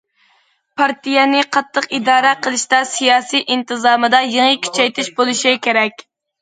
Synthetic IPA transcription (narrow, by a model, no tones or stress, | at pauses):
pʰɑɾt̪ijɛnɪqʰɑt̪ʰːəqid̪ɑːɾɛqʰəlˠɨʃt̪ɑsijɑːsijʔint̪ɨzɑːmɨd̪ɑjeŋəkʲʰy̥t͡ʃʰɛjt̪ɪʃbolˠɨʃikʲʰeɾɛkʲ